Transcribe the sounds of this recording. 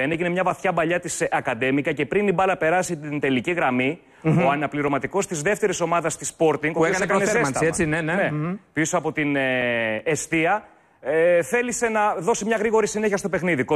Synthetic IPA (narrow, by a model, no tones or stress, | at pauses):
eneʝinemɲɐvɐθçɐbɐʎɐt̪isɐkɐd̪e̞mikɐce̞pɾinibɐlɐpe̞ɾɐsit̪ind̪e̞liciɣɾɐmi | oɐnɐpliɾo̞mɐt̪iko̞st̪izðe̞ft̪e̞ɾiso̞mɐðɐst̪ispo̞ɾt̪iŋɡoiokɐekɐneeɐɐeinenenepisoɐpo̞t̪in | est̪iɐ | θe̞lise̞nɐðo̞simɲɐɣɾiɣo̞ɾisine̞çiɐst̪o̞pe̞xniðiko